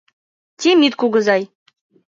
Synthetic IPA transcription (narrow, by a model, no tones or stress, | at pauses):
t̪ʲimit̪kuɡɤ̆zɑj